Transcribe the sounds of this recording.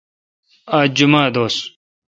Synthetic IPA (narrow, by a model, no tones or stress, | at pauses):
aːd͡ʑumaːd̪oːs